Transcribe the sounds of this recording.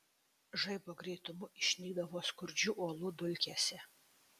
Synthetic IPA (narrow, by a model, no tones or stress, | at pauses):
ʒɐɪboːɡɾʲɛɪt̪ʊmʊʔɪʃʲnʲiːɡd̪ɐʋoːskʊɾʲd͡ʒʲuːʔoɔlˠud̪ʊlʲkʲesʲɛ